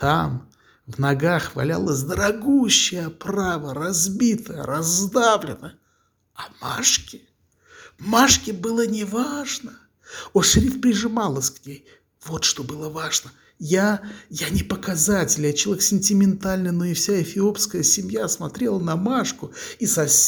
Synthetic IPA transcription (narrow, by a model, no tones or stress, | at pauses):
t̪am | vnɐɡaxvɐ̰lʲa̰lˠəsʲd̪əɾɐɡuɕːɪjəpravərɐzbʲit̪əjə̰ɾɐzd̪avlʲɪnə | ɐma̰ʂkʲɪ | vmaʂkʲɪbɨlˠənʲɪvaʐnə | oʂɾʲifpɾʲɪʐɨmalˠəsʲknʲej | vo̞t̪ʂt̪o̞bɨlˠəvaʐnə | jajanʲɪpəkɐzatʲɪlʲjat͡ɕ̪ˠʲeksʲɪnʲtʲɪmʲɪnt̪alʲnɨjnoɪfsʲaɪfʲɪo̞pskəjəsʲɪmʲjasmɐt̪ɾʲe̞lˠənɐmaʂkʊisɐsʲ